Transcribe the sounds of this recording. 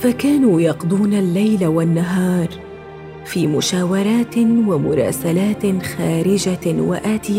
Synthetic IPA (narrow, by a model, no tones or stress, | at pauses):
fakaːnuːjɑqd̪ˤuːnalːajlawanːaɦɑːɾˤ | fiːmʊʃaːwɑɾˤɑːt̪wamʊɾˤɑ̰ːsalaːt̪xaːɾɪd͡ʒawa̰ʔaːt̪ɪja